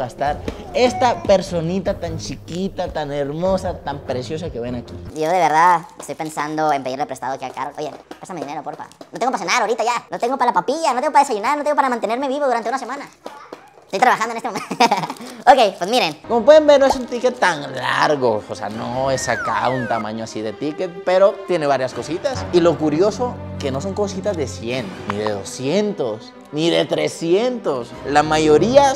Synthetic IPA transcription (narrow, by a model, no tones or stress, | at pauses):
ɣast̪aɾe̞st̪apeɾso̞nit̪at̪ant͡ʃikit̪at̪aneɾmo̞sat̪ampɾesjo̞s̬ake̞βenakiɟ͡ʝo̞ðe̞β̞e̞ɾðaðest̪ojpe̞nsand̪oempeiɾrlepɾest̪aðokaka̰ɾolʔojḛpɾesame̞ðine̞ɾopoɾpa̰not̪eŋɡopasenaðaoɾit̪aʝanot̪e̞ŋɡo̞palapapiʝanot̪eŋɡopaðesaʝunaɾnot̪eɡopaɾamãnt̪e̞neɾme̞βiβo̞ðuɾant̪eunase̞mãna | est̪ojt̪ɾaβaxand̪oenest̪m | okejpwesmiɾenkomopwe̞ðembeɾnoesunt̪iket̪ːaŋla̰ɾɣo̞osea̰noe̞saka̰unt̪amã̰ɲoasiðe̞t̪ike̞t̪̚pe̞ɾot̪je̞ne̞βaɾjasko̞sit̪asilo̞kuɾjo̞so̞ke̞no̞s̬oŋko̞sit̪azðe̞sje̞nːḭðe̞̰ðo̞sjent̪o̞s | niðe̞t̪ɾe̞sjent̪o̞s | lamaʝo̞ɾia